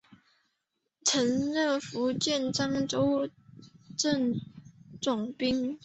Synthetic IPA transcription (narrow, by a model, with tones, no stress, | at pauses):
t͡sʰə˧˥nlə˥˩fu˧˥t͡ɕjɛ˥˨nʈ͡ʂɑ˥ŋʈ͡ʂo˥ʊ | ʈ͡ʂə˥˨˩ŋ | ʈ͡ʂʊ˨˩ŋpi˥ŋ